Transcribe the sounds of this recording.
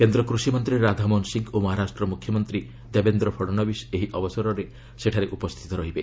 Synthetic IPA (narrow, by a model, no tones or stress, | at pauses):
kend̪ɾɔkɾusimɔnt̪ɾiɾad̪ʱamɔnsiŋkomɔɦaɾasʈɾɔmukʰjɔmɔnt̪ɾi | d̪ebend̪ɾɔpʰɔɽɔnɔbiseɦiʔɔbɔsɔɾɔɾe | seʈʰaɾeʔupɔst̪ʰit̪ɔɾɔɦibe